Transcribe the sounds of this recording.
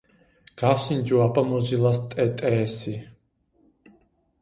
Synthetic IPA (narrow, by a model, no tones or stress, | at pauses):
ɡ̥afsind͡ʒuabamɔzilast̪ʼɛt̪ʼɛːsi